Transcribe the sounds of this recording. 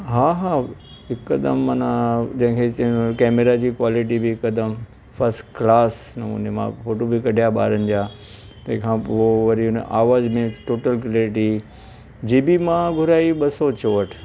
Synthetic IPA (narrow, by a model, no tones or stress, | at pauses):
ɦaːɦaː | ɦɪkːɐd̪ə̰mːɐnãd͡ʑɐ̃ɦɪ̃kʰet͡ɕɐkɛːmeɾad͡ʑiːkwaːlɪʈ̬ibiɪkːɐd̪əm | fɐɾsʈklaːsnɐmṵ̃nemã̰foːʈobʱikɐɖʱijaɓa̰ːɾənɪ̆d͡ʑaː | t̪ɐ̃ɦɪ̃kʰãpoʋɐɾiʊnʔaːʋaːzmẽʈoːʈəlklːɾɪʈi | d͡ʑiːbimãɡʱʊɾaːiɓɐsɔt͡ɕoːʋəʈʰ